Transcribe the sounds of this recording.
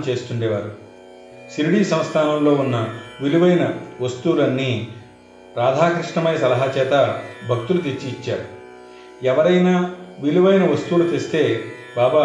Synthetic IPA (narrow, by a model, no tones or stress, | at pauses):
mt͡ʃe̞ːst̪uɳɖeːʋa̰ːɾu | siɾiɽiːsɐ̃m̃st̪ʰaːnɐmlo̞ːunːɐʋiluʋɐjnɐʋɐst̪uːulɐnːi | ɾaːd̪ʱaːkɾiʂɳɐmɐjɐsɐlɐɦaːt͡ʃɛːt̪ɐbʱɐk̚t̪ulut̪̬et͡ʃːiːt͡ʃːaːɾu | ɛʋɐɾɐjnaːʋiluʋɐjnɐʋɐst̪uwulut̪est̪e̞ː | baːba